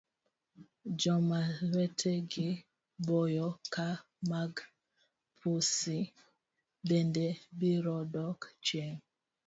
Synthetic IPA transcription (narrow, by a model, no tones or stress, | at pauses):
d͡ʒɔmawɛtʰɛɡɪ | bɔjɔka | maɡ | pʰusi | bendebiɾɔdɔkt͡ʃeŋ